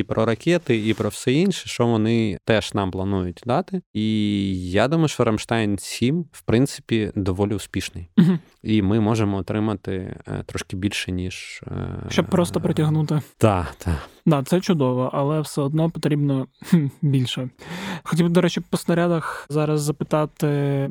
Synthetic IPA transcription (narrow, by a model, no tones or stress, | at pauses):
ipɾɔɾɐkʲɛt̪ɪipɾɔwsɛinʲʃɛʃt͡ʃɔʋɔnɪt̪ɛʃnɑmplˠɐnujʊt̚ʲd̪ɑt̪ɪijad̪umɐjʊʃt͡ʃɔɾɐmʃt̪ɑjnsʲimwpɾɪnt̪sɪ̥pʲid̪ɔʋɔlʲiʊspʲiʃnɪj̩ɦ̩ | imɪmɔʒemɔːt̪ɾɪmɐt̪ɪ̰t̪ɾɔʃkɪbʲilʲʃɛnʲiʒ̰ʃt͡ʃɔbpɾɔst̪ɔpɾɔtʲɐɦnut̪ɪt̪ɑd̪ad̪ɑt̪sɛt͡ʃʊd̪ɔʋɔʔɐlˠɛwsɛɔd̪nɔpɔt̪ɾʲibnɔ | bʲilʲʃɛxɔtʲibd̪ɔɾɛt͡ʃɪpɔsnɐɾʲad̪ɐxzɑɾɐzːɐpɪt̪ɑt̪ɪ